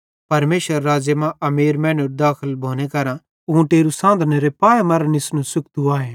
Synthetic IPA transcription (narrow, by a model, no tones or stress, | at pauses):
pɐɾmeːʃʋəɾːaːd͡ʒjemãʔɐmiːɾmɛ̃ːɽ̃uɾd̪aːkʰəlbʱoːñekɐɾã | ũʈeːɾusãːnd̪ʱneɾepaːemɐɾnɪsnũsʊkt̪uaːɦe